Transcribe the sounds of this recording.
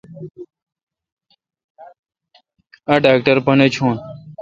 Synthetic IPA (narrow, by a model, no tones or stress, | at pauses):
ɐɖaːk̚ʈɐɾpɐnet͡ɕʰoːn